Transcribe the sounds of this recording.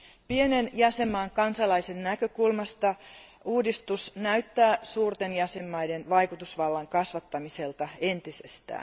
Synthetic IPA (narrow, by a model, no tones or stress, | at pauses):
pienenjæsemːɑːŋkɑnsɑlɑisennækøkulmɑst̪ɑ | uːdist̪usnæyt̪ːæːsuːrt̪enjæsemːɑjdenʋɑikut̪usʋɑlːɑŋkɑsʋɑt̪ːɑmiselt̪ɑent̪isḛst̪æ̰ː